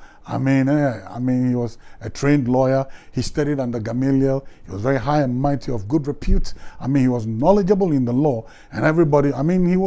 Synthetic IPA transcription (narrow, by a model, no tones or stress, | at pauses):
aɪmĩnɛa̰ɪmĩnhiwɔzɨtʰɹ̥ẽɪ̃ndlɔɪə˞histaɾiɾãndəɡamiljəlˠhiwɔ̰zvɛɹiɦaɪə̃nmaɪtʰiɔvɡʊdɹɨpʰjutsaɪmĩnhiwɔznɔlɪd͡ʒəbəl̩ˠɪ̃nðəlɔ | ɨ̃nɛvɹibɔɾiaɪmĩnhiw